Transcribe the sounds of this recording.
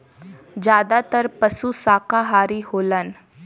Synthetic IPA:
d͡ʒjaːd̪at̪əɾpəsusaːkaɦaːɾiɦoːlən

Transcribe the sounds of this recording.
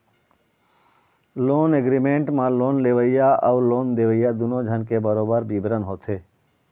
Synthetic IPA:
loːneɡɾimẽːɳʈmãloːnleʋəijaəʋloːnd̪eːʋəijad̪unõd͡ʒʱənkebəɾoːbəɾbibɾənɦoːt̪ʰeː

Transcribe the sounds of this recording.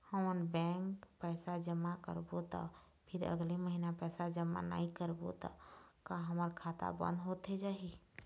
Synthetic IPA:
həmənbɛ̃ŋkpəjsad͡ʒəmːakə̰ɾbot̪ə̰ | pʰiɾə̰ɡliməɦinapəjsad͡ʒəmːa̰na̰ikəɾbo̰t̪ɔ̰kaɦəməɾkʰat̪a̰bə̰̃nd̪ɦot̪ed͡ʒaɦi

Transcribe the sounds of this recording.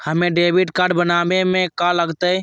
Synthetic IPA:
həmẽɖeːbiʈkaːɾɖbənaːbemẽkaləɡt̪ə

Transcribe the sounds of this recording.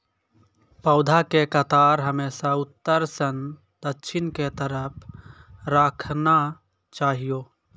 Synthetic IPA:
pəʊd̪ʱakekət̪aːɾɦəmeːsaʊt̪ːəɾsən | d̪ətːʃʰɪnket̪əɾəpʰɾəkʰna | t͡ʃaːɦijoː

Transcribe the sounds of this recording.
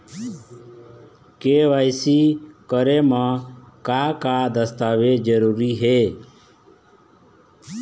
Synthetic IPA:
keːʋaːɪsiːkəɾeːmãːkaːkaːd̪əst̪aːʋeːd͡ʒəɾuːɾiːɦeː

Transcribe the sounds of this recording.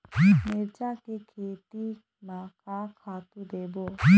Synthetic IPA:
meɾt͡ʃakekʰeːt̪i | mãkakʰaːt̪ud̪eːboː

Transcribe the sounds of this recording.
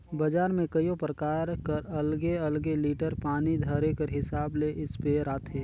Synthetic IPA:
bɐd͡ʒaːɾmẽkəjõpɾəkaːɾkəɾɐlɡeɐlɡeliːʈəɾpaːnid̪ʱəɾekəɾɦɪsaːbleʔɪspeɾaːt̪ʰeː

